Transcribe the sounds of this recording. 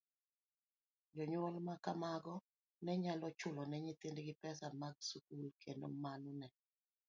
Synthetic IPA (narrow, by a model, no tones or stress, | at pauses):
d͡ʒɔɲʊɔlmakamaɡɔ | nɛɲalɔt͡ʃʊlɔnɛɲit̪ɪndɡɪpɛsamaɡsukulkʰendo̰manʊnɛ